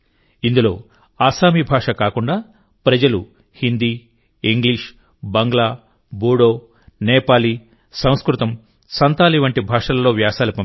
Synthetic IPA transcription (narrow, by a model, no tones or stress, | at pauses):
ind̪ulo̞̰ː | aːsaːmibʱaːʂɐkaːkuɳɖaː | pɾɐd͡ʒɐlṵ | hind̪iː | iŋɡliːʂ | bɐŋɡɭaː | buːɽoː | nɛːpaːli | sɐ̃w̃skɾut̪ɐm | sɐnt̪aːliʋɐɳʈibʱaːʂɐlɐlo̞ːʋjaːsaːlupɐm